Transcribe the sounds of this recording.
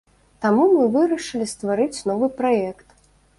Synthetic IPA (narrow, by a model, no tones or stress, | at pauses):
t̪amumɨvɨɾɐʂɨlʲist̪vaɾɨt͡sʲn̪ɔvɨpɾajɛkt̪